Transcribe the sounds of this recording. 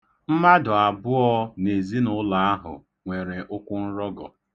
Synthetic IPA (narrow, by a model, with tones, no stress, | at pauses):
m̩˦ma˦dʊ˨a˨bʊ˦ɔ˦ne˨zi˦nʊ˦la˨a˦ɦʊ̰˨ | ŋʷe˨ɾe˨ʔʊ˦kʷʊ˦n̩˦ɾɔ˦ɡɔ̰˨